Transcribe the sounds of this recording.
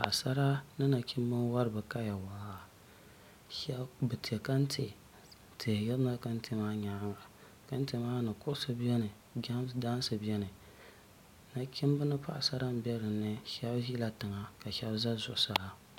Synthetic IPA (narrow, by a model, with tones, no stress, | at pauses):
pa̰˨sa˦ɾa˦nɨ˦na˨kʲɪ˦m˦bɨ˦n˦wa˦ɾɨ˨bɨ˨ka˦ja˨wa˨a˦ | ʃɛ˦bbɨ˨ti˨e˨ka˦n˦tʰe˨ | tʰi˨jɪ˦ɾna˦ka˦n̩˦te˦maː˦ɲa˨˦ŋa˨ | ka˦n̩˦te˨maː˦nɨ˨kʊ˦ʔʊ˦sɨ˦bɛ˦nɨ˨ | ɡa˦mda˦n˦sɨ˨bɛ˦nɨ˨ | na˨kʰʲi˦m˦bɨ˦nɨ˦pa˦ʔa˨sa˦ɾa˦m˦bɛ˦ɾɨ˨nːɨ˦ʃɛ˦bʒi˦la˨tɨ˨ŋa˨ka˨ʃɛ˦bza˦zʊ˦ʔʊ˦sa˨la˨